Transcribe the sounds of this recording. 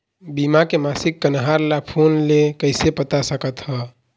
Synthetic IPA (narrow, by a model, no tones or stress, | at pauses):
bimakemasikːənɦaɾlapʰonlekəɪsepət̪asəkət̪hə